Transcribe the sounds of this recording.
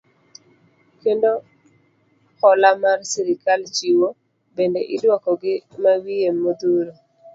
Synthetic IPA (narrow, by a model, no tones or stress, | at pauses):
kendo | kɔlamarsiɾɪkalt͡ʃiwo | bendeʔɪdwakɔɡɪmawijemːod̪uɾo